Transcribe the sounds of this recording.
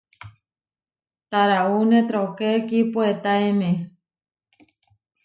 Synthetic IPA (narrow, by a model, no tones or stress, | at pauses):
t̪aɾaunet̪ɾokekipuet̪aemẽ